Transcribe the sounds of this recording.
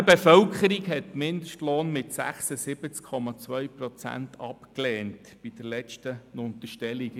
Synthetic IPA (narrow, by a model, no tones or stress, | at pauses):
əbefœlkʰəɾiɡɦɛt̪mɪndəʃtloːnmɪtsæ̰χsəsɪb̥ət͡skʰɔmɑt͡sʋœʏpɾɔt͡sæ̰ntʰɑpkleːnt | b̥id̥əɾlɛt͡ʃtənʊnt̪əʃtɛliɡ